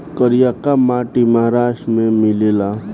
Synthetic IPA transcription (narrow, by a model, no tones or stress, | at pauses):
kəɾijakamaːʈiməɦaɾaːʃʈmẽmɪleːla